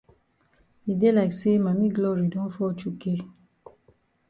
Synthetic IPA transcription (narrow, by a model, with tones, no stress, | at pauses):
e˨de˦la˨ɪ˨kse˦mã˨mi˦ɡlɔ˦ɾi˨dõ˦nfɔ˦t͡ʃu˦ke˦